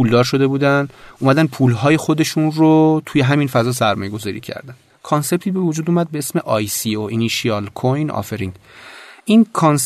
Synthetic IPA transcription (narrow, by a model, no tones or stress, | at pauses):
puːld̪ɒːɾʃo̞d̪e̞buːd̪ænʔuːmæd̪æn̚pʰuːlɦɒːje̞xo̞d̪e̞ʃunrot̪ʰuːje̞ɦæminfæzɒːs̬æɾmɒːjeɡo̞zɒːɾḭcʰæ̰ɾd̪æn | kʰonse̞b̚t̪ʰiːbe̞vud͡ʒuːd̪uːmæd̪̚beesme̞ʔɒjsioiniʃiɒlkʰojnɒ̰feɾiŋɡʔinkʰons